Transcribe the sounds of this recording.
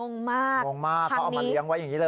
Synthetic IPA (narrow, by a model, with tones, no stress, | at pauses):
o˧ŋmaː˥˩o˧ŋmaː˥˩kʰːʔma˧˦˧li˧˦ə˧ŋwa˦˥jːa˨˩ŋːiː˦˥lɤː˧